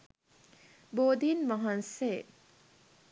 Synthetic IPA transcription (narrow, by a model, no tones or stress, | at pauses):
boːd̪iːnmɐɦɐnseː